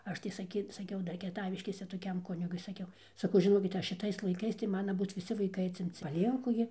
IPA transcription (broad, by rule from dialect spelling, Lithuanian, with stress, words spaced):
ˈɐʃ tɐɪ sɐˈkʲiː sɐˈkʲɛʊ ˈdɐr kʲiɛˈtɑːʋʲɪʃʲkʲeːsʲɛ toːˈkʲɛm ˈkʊnʲɪɡʊɪ sɐˈkʲɛʊ sɐˈkɐʊ ʒʲɪˈnoːkʲɪt jɛɪ ʃʲɪˈtɐɪs lˠɐɪˈkɐɪs tɐɪ ˈmɑːnɐ ˈbuːt ʋʲɪˈsʲɪ ʋɐɪˈkɐɪ ɐtʲsʲɪmʲˈt͡sʲɪ pɐˈlʲiɛŋkʊ ɡʲɪ